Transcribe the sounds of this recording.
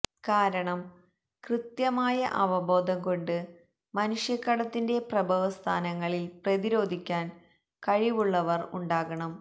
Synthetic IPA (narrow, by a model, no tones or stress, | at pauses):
kaːɾɐɳɐm | krɨt̪jɐmaːjɐʔɐʋɐbo̞ːd̪ʱɐŋko̞ɳɖɨ | mɐnuʂjɐkːɐɽɐt̪ːinde̞prɐbʱɐʋɐst̪ʰa̰ːnɐŋːɐɭilprɐðiɾo̞ːd̪ʱikʲːaːn | kɐɻiʋuɭːɐʋɐruɳɖaːɣɐɳɐm